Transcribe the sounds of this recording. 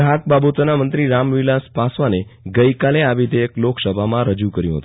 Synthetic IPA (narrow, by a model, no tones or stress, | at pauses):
ɦak̚babot̪ənamənt̪ɾiɾamʋilaspasʋaneɡəikaleaʋid̪eːkloksəbʱamãɾəd͡ʒukəɾjũɦə̰t̪ũ